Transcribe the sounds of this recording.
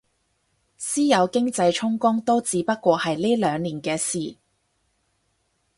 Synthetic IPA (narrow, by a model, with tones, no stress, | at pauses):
siː˥jɐ˨˧wkɪ˥ŋt͡sɐ˧jt͡ʃʰʊ˥ŋkʊ˥ŋt̪o˥wt͡siː˨˧˥pɐ˥t̚kʷɔː˧hɐ˨jliː˥lœː˨˧ŋliː˨˩nkɛː˧siː˨˩